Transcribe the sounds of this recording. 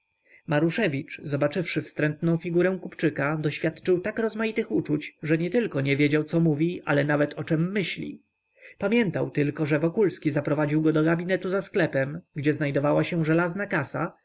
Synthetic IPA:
maɾuʂɛvʲit͡ʂzɔbat͡ʂɘfʂɘfst̪ɾɛnt̪nɔ̃w̃fʲiɡuɾɛ̃w̃kupt͡ʂɘkad̪ɔɕfʲjat̪t͡ʂɘwt̪akɾɔzmajit̪ɘxut͡ʂut͡ɕʐɛɲɛt̪ɘlkɔɲɛvʲjed͡ʑawt̪sɔmuvʲiʔa̰lɛnavɛt̪ʰɔt͡ʂɛmːɘɕlʲḭ | pamʲjɛnt̪awt̪ɘlkɔʐɛvɔkulskʲizapɾɔvad͡ʑiwɡɔd̪ɔɡabʲinɛt̪uzasklɛpɛmɡd͡ʑɛznajd̪ɔvawaɕɛʐɛlaznakasa̰

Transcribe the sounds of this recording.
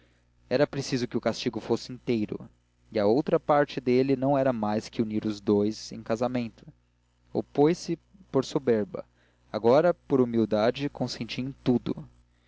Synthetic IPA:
ɛɾɐpɾesizʊkɪʊkast͡ʃiɡʊfosɪĩnt̪ejɾʊ̰ | iɐowt̪ɾɐpaɾt͡ʃɪd̪elɪnɐ̃w̃ɛɾɐmajskɪuniɾʊzd̪ojzḛ̃j̃kazamẽnt̪ʊ̥ | o̰pojsɪ | poɾsobeɾbɐ̰ | aɡɔɾɐpoɾumiwd̪ad͡ʒɪkõsẽnt͡ʃiẽj̃t̪ud̪ʊ̰

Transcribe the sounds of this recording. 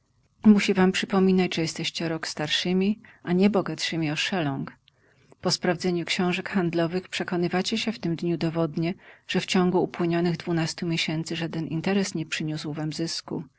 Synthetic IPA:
muɕivampʂɘpɔmʲinat͡ɕʐɛjɛst̪ɛɕt͡ɕɛɾɔkst̪aɾʂɘmʲiʔaɲɛbɔɡat̪ʂɘmʲiɔʂɛlɔ̃ŋk | pɔspɾavzɛɲukɕɔ̃w̃ʐɛkxand̪lɔvɘxpʂɛkɔnɘvat͡ɕɛɕɛft̪ɘmd̪ɲud̪ɔvɔd̪ɲɛʐ̥ɛft͡ɕɔ̃ŋɡuːpwɘɲɔnɘɣd̪vunast̪umʲjeɕɛnt̪sɘʐad̪ɛnint̪ɛɾɛsɲɛpʂɘɲuswvamzɘskṵ

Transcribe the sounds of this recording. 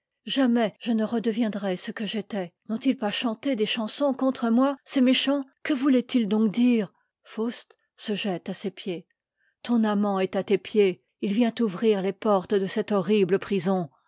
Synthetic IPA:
ʒamɛʒ̥ənəʁəd̪əvjɛ̃d̪ʁɛsəkəʒet̪ɛnɔ̃t̪ilpaʃɑ̃t̪ed̪eʃɑ̃sɔ̃kɔ̃t̪χəmwasɛmeʃɑ̃kəvulɛt̪ild̪ɔ̃k̚d̪iːʁ | fost̪ | səʒɛt̪asepje | t̪ɔ̃namɑ̃ɛt̪at̪epje | ilvjɛ̃t̪uvʁiʁlepɔʁt̪d̪əsɛt̪ɔʁibləpχizɔ̃

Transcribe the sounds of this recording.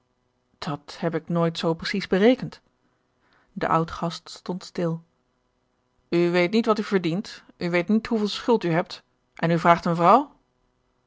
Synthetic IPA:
d̥ɑthɛp̬ɪknoːjtsowprəsizbərejkənt | də̰ʔʌ̰wtχɑststɔntstɪlˠ | yʋejtnitʋɑtyvəɹdintʔyʋejtnitɦuvɪːlˠsχɵlˠtyɦɛp̚t | ʔɛnyvraːχtənvrɑw

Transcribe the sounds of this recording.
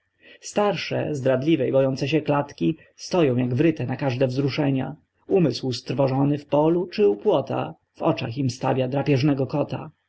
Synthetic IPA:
st̪aɾʂɛ̰zd̪ɾad̪lʲivɛjbɔjɔnt̪sɛɕɛklat̪kʲi | st̪ɔjɔ̃w̃jaɡvɾɘt̪ɛnakaʐd̪ɛvzɾuʂɛɲa̰ | umɘswst̪ɾvɔʐɔnɘfpɔlut͡ʂɘupwɔt̪a̰ | v̥ɔt͡ʂa̰ximst̪avʲjad̪ɾapʲjɛʐnɛɡɔkɔt̪a̰

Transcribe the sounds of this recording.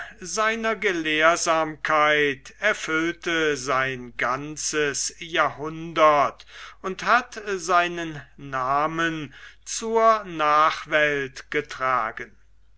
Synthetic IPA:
zaɪnɐɡəleːɐzaːmkʰaɪtɛɐfʏltəzaɪnɡant͡səsjaːɦʊndɐtʊnthatzaɪnənːaːmənt͡suːɐnaːχv̥ɛltɡ̥ətʁ̥aːɡən

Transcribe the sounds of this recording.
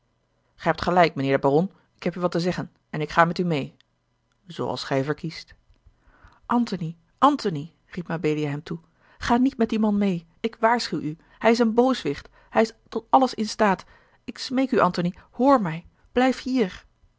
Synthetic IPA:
χɛɦɛp̚tχəlɛjk̚mənɪːɹdəbarɔn | ɪkɦɛpyʋɑtəzɛχən | ɛnɪkχaːmɛtymej | z̥o̰wʔɑ̰lˠsχɛjvəɹkist | ʔɑntoni | ʔɑntoni | ripnabejliaɦɛmtu | χaːnitmɛtdimɑnmej | ɪkʋaːɹsχywʔy | hɛjɪs̬ənbowsʋɪχt | hɛjɪstɔtɑləsɪnstaːt | ɪksmejkyʔɑntonihoːɹmɛj | b̥lɛjfhiːɹ

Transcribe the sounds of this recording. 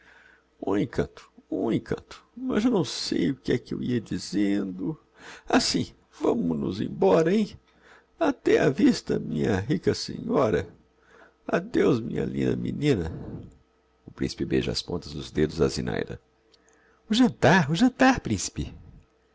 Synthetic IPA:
ũẽkʰɐ̰̃nt̪ʊ̥ũẽkʰɐ̃nt̪ʊ̥mɐzewnɐ̃w̃sejʊkɪɛkɪewiɐd͡ʒizẽnd̪ʊ | asĩ | vɐ̃mʊnʊzḛ̃j̃bɔɾɐẽj̃ | at̪ɛavist̪ɐmĩɲɐɦikɐsḛ̃ɲɔɾɐ | ad̪ewzmĩɲɐ̰lĩnd̪ɐ̰mʔinĩnɐ | ʊpɾĩsi̥pɪbeʒɐa̰spõnt̪ɐzd̪ʊzd̪ed̪ʊzazḭna̰jd̪ɐ̰ | ʊʒɐ̃nt̪aɾʊʒɐ̃nt̪aɾpɾĩsi̥pɪ

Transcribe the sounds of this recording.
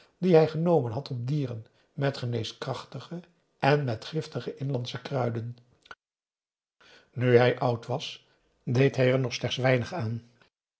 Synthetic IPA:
diɦɛjχənowmənɦɑtɔb̚diːrən | mɛtχənejskrɑχtəχə | ʔɛnmɛtχɪftəχəʔɪnlɑntsəkrœɥdən | nyɦɛjʔɑwtʋɑs | dejtɦɛjɛɹnɔχslɛχtsʋɛjnəχaːn

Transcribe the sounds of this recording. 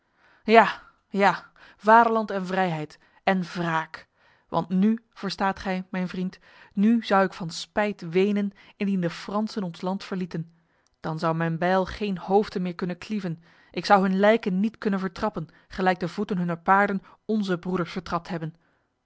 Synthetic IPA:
jaː | jaː | vaːdəɹlɑntɛnvrɛjɦɛjt | ɛnvraːk | ʋɑ̰ntny | v̥əɹstaːtχɛjmɛjnvrint | nyzʌwɪkfɑnspɛjtʋejnənɪndindəfrɑnsənɔnslɑntfəɹlitən | d̥ɑnzʌwmɛjnbɛjlˠχejnhowftəmɪːɹkɵnənklivən | ʔɪksʌwɦɵnlɛjkənːitkɵnənvəɹtrɑpən | χəlɛjɡ̚dəvutənɦɵnəɹpaːɹdən | ɔnzəbrudəɹsfəɹtrɑp̚tɦɛbən

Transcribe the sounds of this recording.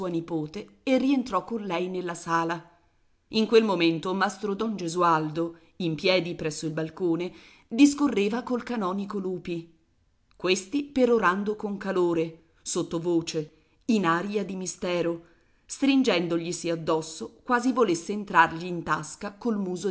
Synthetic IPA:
uːanipoːt̪eː | rːient̪ɾɔkːonlɛjnelːasaːla | iŋkwelmoment̪omast̪ɾod̪ɔnd͡ʒezuald̪o | impjɛːd̪ipɾɛsːoilbalkoːne | d̪iskorːeːvakolkanɔːnikoluːpi | kwest̪ipeɾoɾand̪okoŋkaloːɾe | sot̪ːovoːt͡ʃe | inaːɾiad̪imist̪ɛːɾo | st̪ɾind͡ʒɛnd̪oʎisiad̪ːɔsːokwaːzivolesːeːnt̪ɾarʎiːnt̪askakolmuːzo

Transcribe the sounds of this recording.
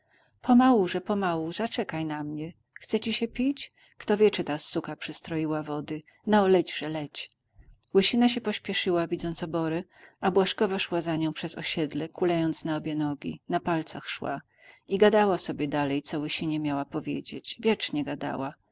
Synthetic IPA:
pʰɔmawuʐɛpɔmawuzat͡ʂɛkajnamɲɛ | xt̪sɛt͡ɕiɕɛpʲit͡ɕ | kt̪ɔvʲjɛt͡ʂɨt̪asːukapʂɨst̪ɾɔjiwavɔd̪ɘ | nɔlɛd͡ʑʐɛlɛt͡ɕ | wɘɕinaɕ̬ɛpɔɕpʲjɛʂɘwavʲid̪zɔnt̪sɔbɔɾɛabwaʂkɔvaʂwazaɲɔ̃w̃pʂɛzɔ̰ɕɛd̪lɛkulajɔnt̪snaɔbʲjɛnɔɡʲḭnapalt̪saxʂwa̰ | iɡad̪awasɔbʲjɛd̪alɛjt̪sɔwɘɕiɲɛmʲjawapɔvʲjḛd͡ʑḛt͡ɕvʲjɛt͡ʂɲɛɡad̪a̰wa

